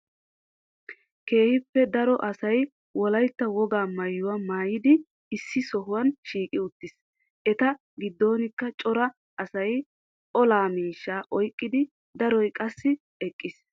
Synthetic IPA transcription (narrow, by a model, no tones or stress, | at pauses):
ke̞ːhɪpːɛd̪ɐɾɔʔɐsɐj | wɔlɐjt̪ːɐwɔɡaːmɐjːʊwɐmaːjɪd̪ɪ | ɪsːɪsɔɦʊwɐnʃiːkʼɪʊt̪ːɪs | ʔɛt̪ɐ | ɡɪd̪ːo̞ːnɪkːɐt͡ʃʼɔɾɐ | ɐsɐj | ɔlaːmiːʃːaːʔɔjkʼːɪd̪ɪ | d̪ɐɾɔjkʼɐsːɪ | ɛkʼːɪs